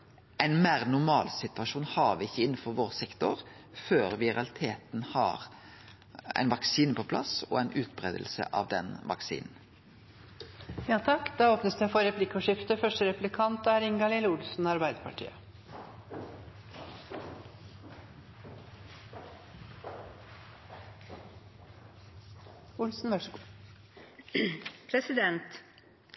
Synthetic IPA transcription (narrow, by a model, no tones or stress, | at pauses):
æɪnmeːʁnʊmɑːlsɪt̪ʰʉʋɑʃuːnhɑːɾʋɪɪçːəɪn̩fɔʁʋoːʁsɛkt̪ʊʁ | føːɾʋɪʁɑlɪt̪ʰeːt̪nhɑ̰ːʁ | æ̰ɪnʋɑksiːnəpʰɔpʰlɑ̰sɔ̰æɪnʔʉːt̪̚bʁḛːd̪əlsə̰ʔɑ̰ʋd̪ɛ̰nʋɑ̰ksḭːnn̩ | jɑːt̪ʰɑkːd̪̥ɑːoːpnəsd̪æfɔɾɾɛpʰlɪkːɔʂɪft̪əfœʂʈəɾɛpʉlɪkʰɑnt̪æɾɪŋɡɑlɪləʊlsn̩ɑɾbæɪd̪əpʰɑʈʰḭːə | ʊlsn̩ʋœ | pʰɾɛsɪd̪ɛnt̪